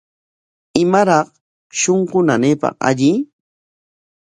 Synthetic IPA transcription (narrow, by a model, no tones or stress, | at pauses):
ɪmaɾɑχ | ʃoɴqʊnaneːpɑ̰χa̰ʎɪ